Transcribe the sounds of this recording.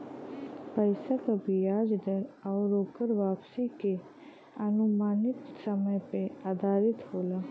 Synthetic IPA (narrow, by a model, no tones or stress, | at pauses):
pəɪsakabijaːd͡ʒɖəɾɔːɾoːkəɾʋaːpsike | ɐnʊmaːnɪt̪səməjpead̪aːɾɪt̪ɦoːlaː